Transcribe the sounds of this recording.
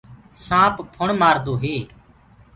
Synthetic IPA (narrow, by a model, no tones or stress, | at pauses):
sãːppʰʊɳmaːɾd̪oːɦeː